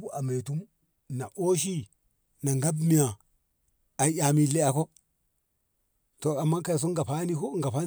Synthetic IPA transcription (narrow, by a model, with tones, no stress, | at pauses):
bu˦ʔa˨me˨tu˦m | na˨ʔo˦ʃ̬i˦ | na˨ŋɡa˦bmi˨ja˨ | a˨ja˨mi˨le˦a˨ko˦ | to˨a˨mːa˦ka˨s̬o˦ŋɡa˨pa˦ni˦ko˦ŋɡa˨pa˦